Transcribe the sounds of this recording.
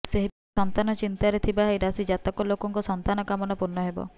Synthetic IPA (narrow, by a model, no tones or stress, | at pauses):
seɦi | ɔnt̪anɔt͡ʃint̪aɾet̪ʰibaɦejɾasid͡ʒat̪ɔkɔlokɔŋkɔsɔnt̪anɔkamɔnɔpuɾnɔɦebɔ̰